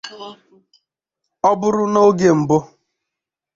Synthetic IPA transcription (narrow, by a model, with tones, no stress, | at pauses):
ɔ˦bʊ˦ɾʊ˦no˦ɡe˨m̩˨bʊ˦